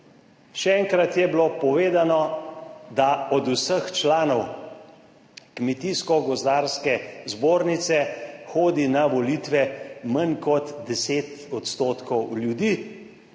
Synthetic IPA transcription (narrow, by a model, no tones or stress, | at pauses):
ʃɛɛŋkɾat̪jɛbilopɔʋeːd̪anɔ | d̪aɔd̪usəxt͡ʃlaːnɔw | kmɛt̪iskɔɡɔzd̪aːɾskɛzboːɾnit̪sɛxoːd̪inaʋɔliːt̪ʋɛmənkɔt̪d̪ɛseːt̪ɔt̪st̪oːt̪kɔwljud̪iː